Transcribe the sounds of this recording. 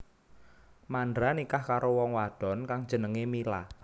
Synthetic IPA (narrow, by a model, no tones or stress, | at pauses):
mandɾanikahkaɾowɔŋwad̥ɔ̤nkaŋ̥d͡ʒ̥ə̤nəŋemila̰